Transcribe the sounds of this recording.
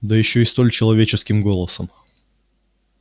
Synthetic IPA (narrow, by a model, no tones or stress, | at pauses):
d̪əjɪɕːoɪst̪o̞lʲt͡ɕɪlˠɐvʲet͡ɕɪskʲɪmɡo̞lˠəsəm